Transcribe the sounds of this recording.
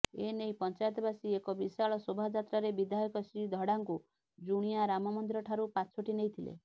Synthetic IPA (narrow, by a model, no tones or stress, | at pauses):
enejpɔnt͡ʃajɔt̪ɔbasiekɔbisaɭɔsobʱad͡ʒat̪ɾaɾebid̪ʱajɔkɔsɾid̪ʱɔɽaŋku | d͡ʒuɽ̃ijaɾamɔmɔnd̪iɾɔʈʰaɾupat͡ʃʰɔʈinejt̪ʰilḛ